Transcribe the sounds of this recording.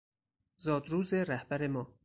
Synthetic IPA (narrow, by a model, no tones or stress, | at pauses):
zɒːd̪ɾuːzeɾæhbæɾemɒː